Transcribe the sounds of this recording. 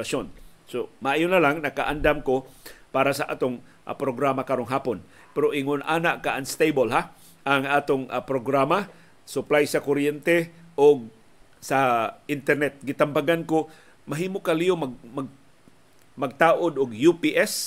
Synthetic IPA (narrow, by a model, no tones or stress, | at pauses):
asonsomaʔajonalaŋnɐkaʔand̪amkopaːɾasaʔa̰ːt̪oŋ | ʔa̰pɾoɡɾamakaɾoŋɦaːpon | pɛɾoʔɪŋʊnʔaːnaʔkaʔaŋst̪ejbolɦa | ʔaŋʔaːt̪oŋapɾoɡɾama | sʊplajsakoɾjɛnt̪ɛʔoɡ̚ | saʔɪnt̪ɛɾnɛt̪̚ɡɪt̪ambaɡanko | maɦiːmokalijomaɡmaɡ | mɐɡ̚t̪aːʔod̪ʊɡjupiʔɛs